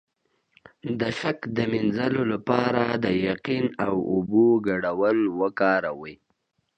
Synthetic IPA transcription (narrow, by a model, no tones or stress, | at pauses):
d̪əʃakd̪əminzalolapɑɾad̪əjaqinawʊboɡaɽawəlwəkɑɾawəj